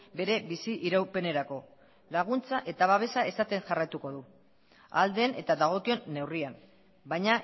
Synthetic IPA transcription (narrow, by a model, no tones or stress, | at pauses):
be̞ɾe̞βisiʔiɾawpe̞ne̞ɾako̞ | laɣ̞unt͡saʔe̞t̪aβaβ̞e̞sae̞sat̪e̞ŋʝarajt̪uko̞ðu | a̰ld̪e̞ne̞t̪aðaɣ̞o̞kio̞nːe̞wriam | bajɲa